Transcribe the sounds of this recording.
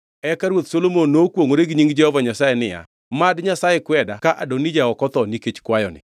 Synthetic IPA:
ɛkaɾwot̪solomonːokwoŋoɾeɡɲiŋɡd͡ʒɛhɔvaɲasajɛnɪja̰ | madɲasajɛkwɛdakaʔadonid͡ʒaɔkɔt̪ɔniket͡ʃkwajɔnɪ̰

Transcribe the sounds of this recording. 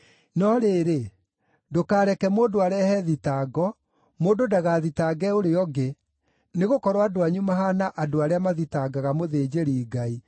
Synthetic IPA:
nɔɾeːɾe | dokaːɾɛkɛmoːdoaɾɛhɛðitaːɡɔ | moːdodaɣaːðitaɡɛoɾeɔɡe | neɣokɔɾwadoaɲumaɦanaʔadoaɾeamaðitaɡaɣamoðed͡ʑeɾiːɡai

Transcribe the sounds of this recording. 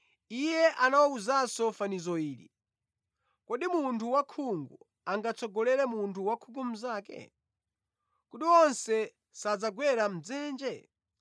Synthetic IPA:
ijɛʔanawɔuzasɔfanizɔiːɾḭ | kɔɗimuntuwakʰuŋɡṵ | aŋɡat͡sɔɡɔlɛɾɛmuntʰuwakʰukum̩zaːkɛ̰ | kuɗiwɔnsɛ | sad͡zaɡwɛɾam̩d͡zɛːnd͡ʒɛ

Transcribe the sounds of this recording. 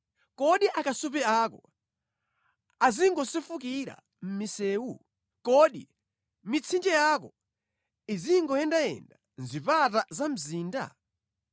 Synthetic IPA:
kɔɗiʔakasup̬ɛaːkɔ | aziŋɡɔsifuk̬iɾa̰ | m̩misɛːwu | kɔɗḭ | mit͡sʰind͡ʒɛjaːkɔ | iziŋɡɔjɛndajɛ̰nda | nzipatazam̩ziːnda̰

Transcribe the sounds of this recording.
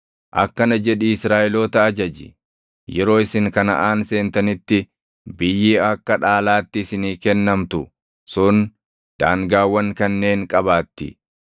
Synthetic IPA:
ʔɐ̰kːɐnɐd͡ʒɛᶑiɪsɾaːʔɛloːt̪ɐːd͡ʒɐd͡ʒɪ | jɛɾo̞ːɪsɪŋkɐnɐ̰ʔaːnse̞ːnt̪ɐnɪt̪ːɪ | bɪjːiːɐkːɐᶑaːlaːt̪ːɪːsɪniːkɛnːɐmt̪ʊ | sʊn | d̪̥aːŋɡaːwːɐŋkɐnːe̞ːŋkʼɐbaːt̪ːɪ̰

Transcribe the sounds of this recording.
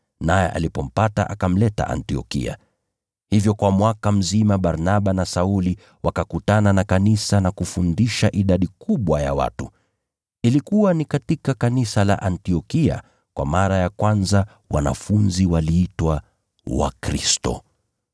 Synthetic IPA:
najɛʔa̰lipɔm̩pata̰ʔakam̩lɛta̰ʔa̰ntiɔ̰kḭa̰ | hivjɔkwamwakam̩zimaɓaɾnaɓanasauli | wakakutananakanisanakufundiʃaʔiɗaɗikuɓwaja̰wa̰tu | ilikuwanikatikakanisala̰ʔantiɔkia̰ | kwʔa̰maɾajakwanza | wa̰na̰funziwaliːtwa | wa̰kɾḭstɔ̰

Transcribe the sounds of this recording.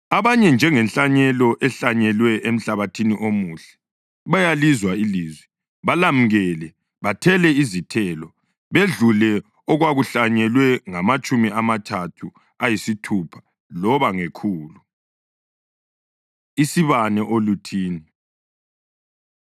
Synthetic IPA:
aβaɲɛnd͡ʒʱɛŋɛnt͡ɬʼaɲɛlɔʔɛɬaɲɛlwɛʔem̩ɬaβatʰiniʔomuɬɛ̥ | βajalizwailiːzwɛ | βalam̩ɣɛlɛ | βatʰɛlɛizitʰɛlɔ | βeɮulɛ | ɔɣwaɣuɬaɲɛlwɛŋamat͡ʃʼumiʔamatʰatʰu | ajisitʰupʰḁ | lɔβaŋekʰuːlu | isiβanɛʔolutʰiːnɛ

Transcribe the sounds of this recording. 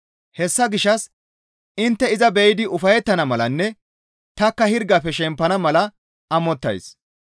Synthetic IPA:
hɛsːɐɡɪʃːɐs | ɪnt̪ːɛɪzɐbɛjɪd̪ɪʊfɐjɛt̪ːɐnɐmɐlɐnːɛ | t̪ɐkːɐhɪɾɡɐfɛʃɛmpːɐnɐmɐlɐ | ɐmɔt̪ːɐ̰js

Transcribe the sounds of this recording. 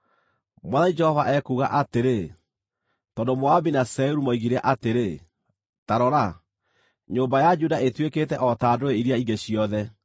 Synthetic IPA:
mwaðaid͡ʒɛhɔvaʔɛkuːɣa̰ʔateɾe | tɔndomoabinasɛuɾumoiɣiɾɛʔateɾe | taɾɔɾa | ɲoːmbajad͡ʒudaetweketɛʔɔtaːdoeiɾjaiŋɡeɕiɔðɛ

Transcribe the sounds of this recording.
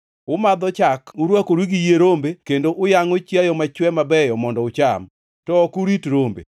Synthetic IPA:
ʊmad̪ɔt͡ʃakuɾwakoɾwiɡijeɾombekendoʔʊjaŋot͡ʃjajɔmat͡ʃwɛmabɛjɔmɔndɔʊt͡ʃam | tɔːkuɾitɾombḛ

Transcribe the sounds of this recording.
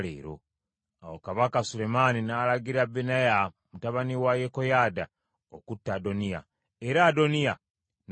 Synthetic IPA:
lḛːɾo̰ | awokaβakasule̞maninaːlaɡiɾabenaja | mutaβaniwajekojaːda | okutːado̞nija̰ | eɾaːdo̞nija | n

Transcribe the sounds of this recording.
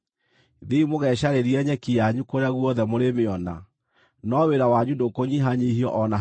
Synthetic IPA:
ðiimoɣɛɕaɾeɾiɛɲɛkijaɲukoɾeaɣwɔðɛmoɾemeɔna̰ | nɔweɾawaɲudokoɲiɦaɲihiɔʔɔna

